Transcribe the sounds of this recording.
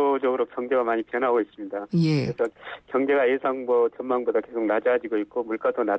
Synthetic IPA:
od͡ʑʌɡɯɾokjʌŋd͡ʑeɡamaɲipʰjʌnɦaɡois͈ɯmɲidajeɾesʰʌkjʌŋd͡ʑe̞ɡaesʰaŋmʌt͡ɕʌnmaŋbodake̞sʰok̚nad͡ʑad͡ʑiɡoik͈omuɭk͈adona

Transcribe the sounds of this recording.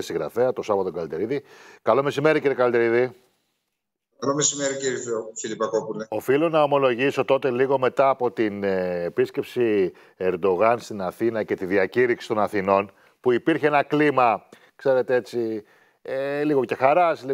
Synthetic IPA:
siɣɾɐ̰feɐt̪o̞sɐvɐt̪oɡɐlid̪eɾiðikɐlo̞me̞sime̞ɾiciɾiekɐld̪eɾiði | ɐlomesimeɾiciɾiffilipɐkopuleo̞filo̞nɐo̞mo̞lo̞ʝiso̞t̪o̞t̪e̞liɣome̞t̪ɐːpo̞t̪ineepisce̞psi | eɾd̪o̞ɣɐnst̪inɐθinɐce̞t̪iðiɐciɾiksi̥st̪o̞nɐθino̞n | puipiɾçeenɐklimɐ | kse̞ɾe̞t̪ee̞t͡si | eliɣo̞ce̞xɐɾɐsli

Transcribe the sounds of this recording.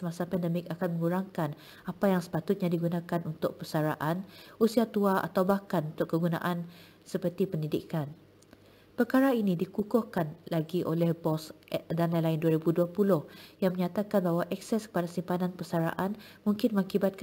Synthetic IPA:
səmasapɛndəmɪkakanmə̃ŋuɾaŋkan | apajaŋsə̥pat̪ʊt̪̚ɲãdiɡunãkanunt̪ʊk̚pərsaɾa̰ʔanusiat̪uaʔa̰t̪awbahkanunt̪ʊʔkːəɡunã̰ʔan | səpərt̪ipəndidikan | pərkaɾainĩdikukʊhkanlaɡiʔolɛhbɔsdanlajlainduaɾibuduapulʊhjaŋmə̃ɲat̪akanbaɦwaʔɛk̚sɛskə̥padasimpanãnpəsaɾa̰ʔanmũŋkɪnmə̃ŋkibat̪̚k

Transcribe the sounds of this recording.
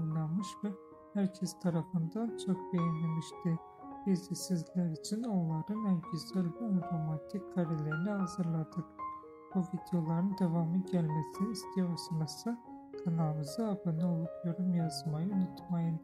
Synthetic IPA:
ulˠanmɯʃvɛ | hæɾcʰɛst̪ʰaɾafɯnd̪ant͡ʃʰo̞k̚bejɛnlʲemiʃt̪i | b̥izisizlʲæɾit͡ʃʰinonlˠaɾɯnælɟyzælʲbiamt̪ʰomat̪ʰickʰaɾilʲeɾinihazɯɾlˠad̪ɯk | b̥uvid̪ejo̞lˠaɾɯnd̪e̞vamɯɟælʲmesiniːst̪ʰijosɯnasɯ | kʰanalmɯzɯabɯnɯolˠukʰjo̞ɾumjazmajɯynut̪majɯn

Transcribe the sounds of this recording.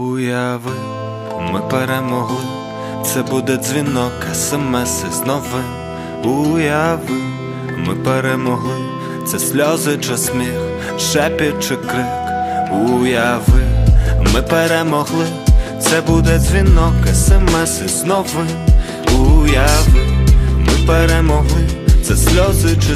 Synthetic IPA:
ujavɨ | mɨpɛɾɛmɔɣlˠɨ | t̪sɛbud̪ɛzʲvʲinɔkɐsɨmɛsɨznɔvɨ | ujavɨ | mɨpɛɾɛmɔɣlˠɨ | t̪sɛsʲlʲɔzɨt͡ʂɨsʲmʲɛx | ʂɛpʲɛt͡ʂɨkɾɨ | kujavɨmɨpɛɾɛmɔɣlˠɨ | t̪sɛbud̪ɛdzʲvʲinɔkɐsɛmɛsɨznɔvɨ | ujavɨmɨpɛɾɛmɔɣlˠɨt̪sɛsʲlʲɔzɨt͡ʂɨ

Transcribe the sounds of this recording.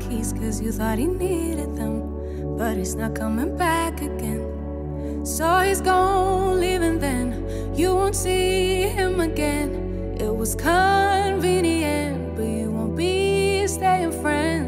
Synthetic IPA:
kʰiz̥kʰʌzjɨθɔt̚hiniɾɨd̪̚ðə̃m | b̥ʌɾ̚hiznət̚kʰʌmɪ̃ŋbækɨɡ̥ɛ̃n | soʊizɡoʊɪlivɨ̃nðɨ̃n | jɨwõʊ̃ntsiɪ̃mɨɡɛ̃n | ʔɪt̚wʌz̥kʰʌnvĩniɨ̃n̚b̥ʌt͡ʃɨwõʊ̃nb̥isteɪɪ̃ŋfɹɛ̃n

